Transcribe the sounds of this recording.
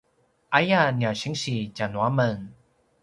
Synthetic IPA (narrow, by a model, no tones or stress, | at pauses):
ʔajanjaɕiŋɕit͡ɕanwaməŋ